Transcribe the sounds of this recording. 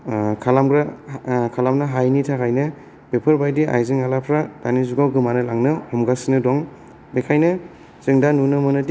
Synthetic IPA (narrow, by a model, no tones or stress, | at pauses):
kʰalamɡɾakʰalamnɯɦajnitʰakʰajnɯ | bepʰɯɾbajdiʔa̰jzɯŋalapʰɾad̥anizuɡawɡɯmanɯlaŋnɯhɔmɡasinɯdɔŋ | bekʰajnɯ | z̥ɯŋdanunɯmɯnɯdi